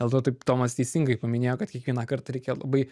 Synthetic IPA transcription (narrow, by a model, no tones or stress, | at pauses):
d̪ʲelˠt̪oːt̪ɐɪpt̪oːmɐst̪ʲɛɪsʲɪŋɡɐɪpɐmʲɪnʲeːjoːkɐt̪kʲiɛkʋʲiɛnɑːkɐrt̪ɐɾʲɛɪkʲeːjolˠɐ̰bɐɪ